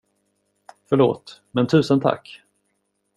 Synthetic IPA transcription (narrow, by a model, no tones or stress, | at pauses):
fœɭo̰ːt̪mɛnt̪ʰʉ̟ːsənt̪ʰa̰kː